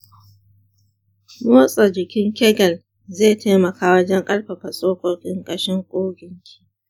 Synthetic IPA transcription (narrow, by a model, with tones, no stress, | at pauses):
moː˦sʼɐ˨d͡ʒɪ˨kʲɪ˦ŋkʲɛ˦ɡɐ˨l | zeː˦˨tʰeː˦mɐ˨kaː˦wɐ˦d͡ʒɐ˦ŋkʼɐ˦lɸɐ˨ɸa˨sʼoː˦kʷoː˦kʲʼɪ˦ŋkʼɐ˦ʃɪ˦ŋkʷʼoː˦ɡʲɪ˨ŋkʲʰi̥ː˦